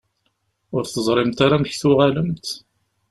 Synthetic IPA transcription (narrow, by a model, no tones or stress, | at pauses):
ʊɾθəzˤɾˤɪmt̪aɾamçθʊʁaləmt̪